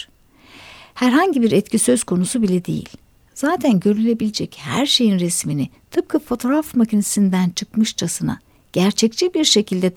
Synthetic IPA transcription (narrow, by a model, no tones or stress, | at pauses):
hæɾɦaɲɟibiɾɛt̪cʲʰisø̞z̥kʰo̞nusubilʲɛd̪e̞̰jḭlʲ | z̥aːt̪ʰænɟø̞ɾylʲe̞bilʲed͡ʒɛchæ̰ɾʃe̞jinɾɛsmini | t̪ʰɯp̚kʰafo̞t̪ʰo̞ɾafmacʰinesind̪ænt͡ʃʰɯkmɯʃt͡ʃʰasɯna̰ | ɟ̥æɾt͡ʃʰɛc̚t͡ʃʰibiɾʃe̞cʰilʲd̪ɛt̪